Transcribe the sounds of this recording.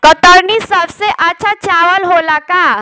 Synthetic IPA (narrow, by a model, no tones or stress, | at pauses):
kət̪əɾnisəbseʔat͡ɕʰat͡ɕaʋəlɦolaka